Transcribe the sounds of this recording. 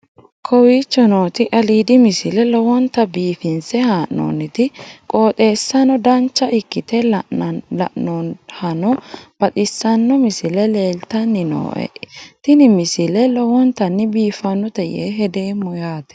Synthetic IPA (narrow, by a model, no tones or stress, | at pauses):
kʰɔwiːt͡ʃːɔnoːt̪ɪʔɐliːd̪ɪmɪsɪlɛlɔwɔnt̪ɐbiːfɪnsɛhaːʔːo̰ːnːɪt̪ɪkʼo̞ːt̪ʼe̞ːsːɐnɔd̪ɐnt͡ʃːɐʔɪkːɪt̪ɛ | lɐ̰ʔnɔhɐnɔb̥ɐt̪ʼɪsːɐnːɔmɪsɪlɛle̞ːlt̪ɐnːɪno̰ːʔɛ̰t̪ɪnɪmɪsɪlɛlɔwɔnt̪ɐnːɪbiːfɐnːɔt̪ɐjḛːɦɛd̪e̞ːmːɔjaːt̪ɛ̥